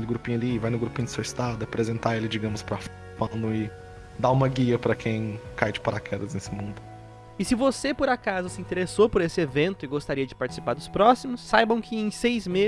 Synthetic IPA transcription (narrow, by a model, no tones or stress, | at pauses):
kelɪɡɾupĩɲʊɐlivajnʊɡɾupĩɲʊd̪ɪseɐɪst̪ɾad̪ʊɐapɾezẽnt̪aelɪd͡ʒiɡɐ̃mʊspɾɐf | pɐ̃nʊɪ | d̪aũmɐɡiɐpɾɐkʰẽj̃kajd͡ʒɪpaɾakʰɛd̪ɐznesɪmũnd̪ʊ | ɪsɪvosepoɾakazʊsɪĩnt̪eɾesopʊɾesɪevẽnt̪ʊɪɡost̪aɾiɐd͡ʒɪpaɾt͡ʃɪ̥si̥paɾd̪ʊspɾɔsimʊsːajbɐ̃w̃kʰɪẽj̃sejzme